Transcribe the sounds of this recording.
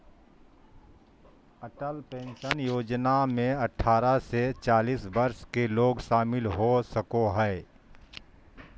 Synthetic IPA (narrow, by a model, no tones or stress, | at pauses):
əʈəlpẽːnʃənjoːd͡ʒnamẽɐʈʰːaːɾaset͡ʃaːliːsbəɾʃkeloːɡʃaːmɪlɦosəkoɦɛː